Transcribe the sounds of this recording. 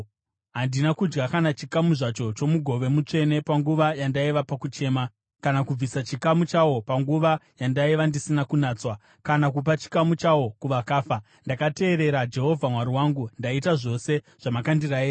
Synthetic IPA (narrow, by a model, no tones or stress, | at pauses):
ɦandinakud͡ʒɡakanat͡ʃikamuʐat͡ʃo̞t͡ʃo̞muɡʱo̞ʋe̞mut͡ʂe̞ne̞paŋɡuʋajandaiʋapakut͡ʃe̞ːma | kanakub͡visat͡ʃikamut͡ʃawo̞paŋɡuʋajandaiʋandisinakunaːt͡swa | kanak̬up̬at͡ʃi̥kamut͡ʃawo̞kuʋakaːfa | ndakate̞ːɾe̞ɾad͡ʒe̞ɦo̞vʱamwaɾiwaːŋɡundaitaʐo̞se̞ | ʐ̥amakandiraeː